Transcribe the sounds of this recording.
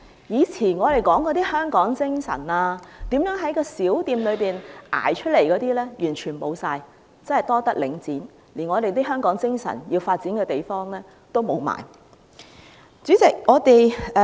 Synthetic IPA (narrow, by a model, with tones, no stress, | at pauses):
jiː˨˧t͡sʰiː˨˩nŋɔː˨˧ɾe˨jkɔː˨˥ŋkɔː˧t̪iː˥hœː˥ŋkɔː˨˥ŋt͡sɪ˥ŋsɐ̰˨˩naː˧t̪iː˨˥mjœː˨˥ŋɦɐ˨˥jkɔː˧siː˨˥wt̪iː˧mlɵ˨˧ɥpiː˨˩nʔa̰ː˨˩jt͡ʃʰɵ˥t̚le˨˩jkɔː˨˥t̪iː˥lɛː˥jyː˨˩nt͡ʃʰyː˨˩nmo˨˧wsaː˧j | t͡sɐ˥nɐ˨jt̪ɔː˥t̪ɐ˥k̚lɪ˨˥ŋt͡siː˨˥n | liː˨˩nŋɔː˨˧t̪e˨jt̪̬iː˥ɦœː˥ŋkɔː˨˥ŋt͡sɪ˥ŋsɐ̰˨˩njiː˧wfaː˧t̚t͡si˨˥nkɛː˧t̪e˨jfɔː˥ŋlɛː˥ | t̪o˥wmo˨˧wma̰ː˨˩j | t͡syː˨˥t͡sɪ˨k̚ŋɔː˨˧t̪e˨j